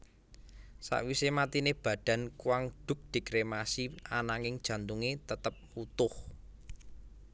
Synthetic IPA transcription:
sa̰ʔwisemat̪ineb̥ä̤ɖ̥ä̤nkuwaŋɖ̥ʊ̤k̚d̪̥i̤kɾemasianaŋɪŋd̥ʒ̥ä̤nt̪uŋet̪ət̪əp̚ut̪ʊh

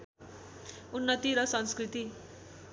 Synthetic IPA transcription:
unːʌt̪iɾʌsʌnskrit̪i

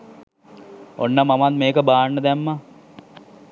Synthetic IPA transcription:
onːəmamat̪meːkəbaːɳːəd̪æmːa

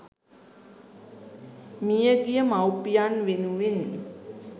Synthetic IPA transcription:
mijəɡijəmawpijanʋenuʋen

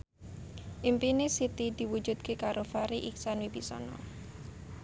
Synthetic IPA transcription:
ʔimpinɪsit̪id̪̥i̤wu̥d͡ʒṳd̪̥̚kekaɾofaɾiʔiksanwibisɔ̰nɔ̰

